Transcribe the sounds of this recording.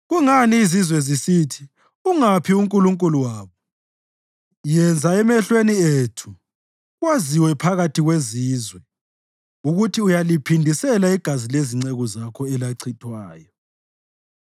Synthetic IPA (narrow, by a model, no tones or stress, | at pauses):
ɣuŋaniːzizwɛzisitʰi̥ | uŋapʰiuŋkʼuluŋkʼuluwaːβɔ | jɛnd͡zʱaɛmɛɬwenietʰu | ɣwaziwɛpʰaɣatʰiɣweziːzwɛ | uɣutʰiujalipʰindʱisɛlaiɡ̥ʱazileziŋ͡ǀɛɣɔzakʰɔɛlaǀʰitʰwaːjɔ